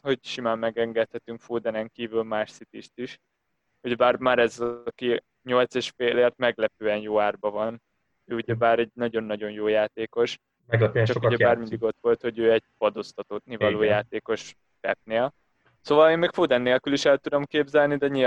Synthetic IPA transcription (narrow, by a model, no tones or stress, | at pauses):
ho̞ɟʃimaːmːɛɡɛŋɡɛt̪hɛt̪yŋkfoːd̪ɛnɛŋkiːvylmaːʃsit̪iʃt̪iʃ | uɟɛbaːrmaːɾɛzɒki | ɲo̞lt̪seːʃfeːleːrt̪̚mɛɡlɛpøːɛnjoːaːrbɒvɒn | øːuɟɛbaːɾɛɟ̚nɒɟo̞nːɒɟo̞njoːjaːt̪eːko̞ʃ | mɛɡlɛpøt͡ʃɒkuɟɛbaːrmind̪iɡo̞t̪ʋo̞lt̪ho̞ɟøːɛɟ̚pɒd̪ost̪ɒt̪ot̪nivɒloːjaːt̪eːko̞ʃ | kɛ̰p̚neːl | soːvɒleːmːɛkfoːd̪ɛnːeːlkyliʃɛlt̪ud̪o̞mkeːbzɛlnid̪ɛɲi